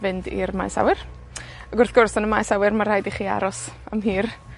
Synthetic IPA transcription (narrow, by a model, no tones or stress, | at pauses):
vɨndḭɾmajsa̰wɪr | aɡʊrθɡ̥ʊrsɔnəmajsawɪrmarhajdiχiːa̰ɾɔsa̰mɦiːr